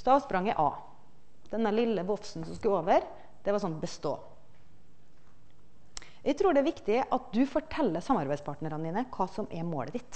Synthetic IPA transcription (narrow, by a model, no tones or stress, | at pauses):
st̪ɑːʋspɾɑŋːəʔɑ̰ː | d̪̥ɛnəɭɪlːəʋɔfsn̩sɔmsk̪ʉːoːʋəɾ | d̪̥ɛʋɑɾsɔnbəst̪o̰ː | jæɪt̪ʰɾuːɖɛæʋɪkt̪ɪəʔɑt̪̚d̪ʉfɔʈʰɛlːəsɑmɑɾbæɪd̪spʰɑːʈnəɾənd̪iːnəkʰɑːsɔmʔɛmo̰ːləd̪ɪt̪ː